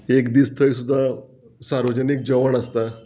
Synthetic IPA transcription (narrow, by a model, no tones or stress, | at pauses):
ekd̪iːst̪ʰəjsud̪ʱːa | saɾʋəd͡ʑənik̚d͡ʑəʋəɳəst̪a